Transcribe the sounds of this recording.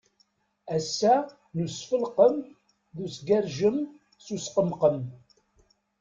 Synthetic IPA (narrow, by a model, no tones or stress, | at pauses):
æsːæ | nusfəlqəm | ðusɡæɾʒəm | susqəmqəm